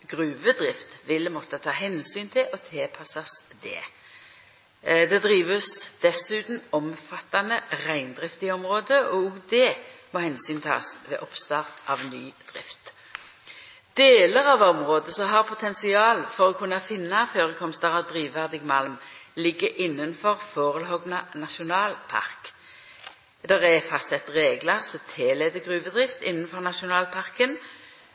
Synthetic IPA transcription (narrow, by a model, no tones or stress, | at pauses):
ɡ̥ʁʉːʋəd̪ʁɪft̪ʋɪlmɔt̪ːət̪ʰɑːɦɛnsyːnt̪ʰɪʔɔt̪ʰeːpʰɑsɑsd̪ɛ̰ː | d̪ɛd̪ʁiːʋəsd̪̥ɛsʉːt̪n̩ɔmfɑt̪ːɑnəʁæɪnd̪ʁɪft̪ɪɔmʁoːd̪əʔɔɔɡd̪ɛːmɔhɛnsyːnt̪ʰɑ̰ːsʋɛ̰ːʔɔpst̪ɑːʁt̪ʔɑʋny̰ːd̪̥ʁɪft̪ | d̪̥eːləʁɑʋɔmʁoːd̪əsɔɦɑːʁpʰʊt̪ʰɛnsɪɑːlfɔʁɔkʰʉnːɑfɪnːɑføːʁəkʰɔmst̪əʁəd̪ʁiːʋʋæʁd̪ɪɡmɑlmlɪɡːəʔɪnːənfɔʁfoːʁəlɦɔɡnɑnɑʃʊnɑːlpʰɑ̰ʁk | d̪əʁæfɑst̪sɛt̪ːʁeːɡləʁsɔt̪ʰeːleːd̪əɡʁʉːʋəd̪ʁɪft̪ɪnːənfɔʁnɑʃʊnɑːlpʰɑʁkən